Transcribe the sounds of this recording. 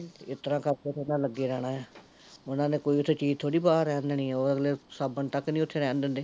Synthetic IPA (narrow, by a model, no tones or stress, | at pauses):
ɪt̪əɾãːkəɾket̪ʰːenãːləɡːeːɾɛːɽ̃aːɛː | ʊnãːnẽːkoːiːʊt̪ʰːeːt͡ʃiːzt̪ʰoːɽiːbaːɾːɛːnd̪eːnĩːoːɾəɡleːsaːbənt̪əknĩːʊt̪ʰːeːɾɛ̃ːnd̪ɪ̃ːnd̪eː